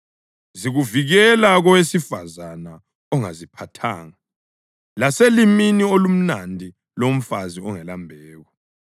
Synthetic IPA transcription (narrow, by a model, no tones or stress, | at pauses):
ziɣuviɣɛlaɣɔwesifazana | ɔŋazipʰatʰa̰ːŋa | laseliminiolum̩nandʱi | lom̩faziɔŋɛlambʱɛːɣwa